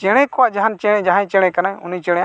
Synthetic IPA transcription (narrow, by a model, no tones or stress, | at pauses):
t͡ʃɛɽ̃ɛkɔwaʔd͡ʒaɦant͡ʃɛɽɛ̃d͡ʒaɦãjt͡ʃɛɽ̃ɛ̃kanajṵnit͡ʃɛɽɛja